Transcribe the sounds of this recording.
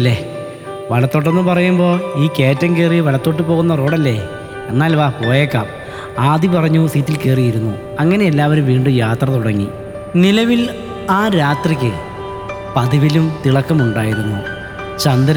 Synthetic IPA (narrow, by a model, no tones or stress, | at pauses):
ɐlːe | ʋɐɭɐt̪ːo̞ːʈ̬ːe̞nːɨpɐrɐjumbo̞ːiːke̞ːtːɐŋkeːriʋɐɭɐt̪ːo̞ːʈ̬ːɨpo̞ːɣunːɐro̞ːɽɐlːe̞ | enːaːlʋaːpo̞ːjeːkːa̰ːm | aːd̪ipɐrɐɲːusiːtːilkeːrijiɾunːṵ | ɐŋːɐne̞elːaːʋɐɾumʋiːɳɖujaːt̪rɐt̪uɽɐŋːḭ | nilɐʋil | aːɾaːt̪rikʲːɨ | pɐðiʋilumt̪iɭɐkːɐmuɳɖaːjiɾunːṵ | t͡ɕɐnd̪ɐɾ